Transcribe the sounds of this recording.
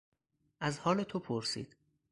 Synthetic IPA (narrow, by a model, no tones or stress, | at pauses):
ʔæzhɒːle̞t̪ʰopʰoɾsḭːd̪̥